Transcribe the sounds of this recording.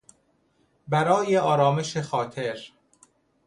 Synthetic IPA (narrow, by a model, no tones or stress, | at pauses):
bæɾɒːjeɒːɾɒːme̞ʃexɒːt̪ʰeɾ